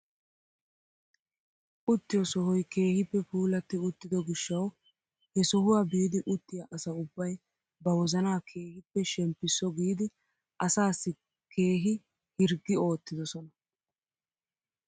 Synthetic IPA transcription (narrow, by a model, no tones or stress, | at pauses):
ʔʊt̪ːɪjɔsɔɦɔjke̞ːhɪpːɛpuːlɐt̪ːɪʊt̪ːɪd̪ɔɡɪʃːɐw | hɛsɔɦʊwaːbiːd̪ɪʔʊt̪ːɪjɐʔɐsɐʊbːɐj | bɐwɔzɐnaːkʰe̞ːhɪpːɛʃɛmpːɪsːɔɡiːd̪ɪ | ʔɐsaːsːɪ | kʰe̞ːɦɪ | hɪɾɡːɪo̞ːt̪ːɪd̪ɔsɔnɐ